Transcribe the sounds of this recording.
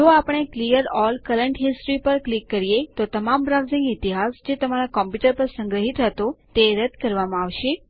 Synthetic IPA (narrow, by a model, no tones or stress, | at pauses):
d͡ʒoapəɳ̃eklijəɾɔlkəɾəɳʈɦisʈɾipəɾklikːəɾijet̪ot̪əmambɾaʋzĩŋɡɪt̪iɦasd͡ʒet̪əmaɾakɔmpjuʈəɾpəɾsə̃ŋɡɾəɦit̪ɦət̪ot̪eɾəd̪kəɾʋamãaʋʃe